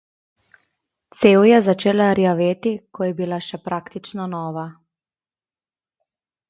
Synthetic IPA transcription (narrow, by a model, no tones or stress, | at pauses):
t̪seːwjɛzat͡ʃeːlaɾjaʋeːt̪ikɔjɛbilaʃɛpɾaːkt̪it͡ʃnɔnɔːʋa